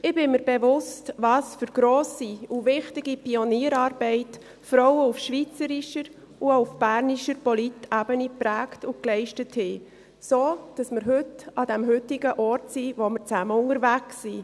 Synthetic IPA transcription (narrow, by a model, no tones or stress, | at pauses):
ɪbɪməɾbevʊstvɑːsfʏɾɡ̥ɾoːsiuvɪχtɪɡ̥ipiɔniːəɾɑːɾbɛɪt | fɾɔwəufʃvit͡səɾiʃəɾ | uoufb̥æɾniʃəɾpɔlitæbənipɾæːktʊklɛɪʃtəthɪ | soːd̥ɑsməɾɦʏtɑd̥ɛmɦʏtiɡəʔɔrtsivomɪɾt͡sæməʊŋəɾvæksːi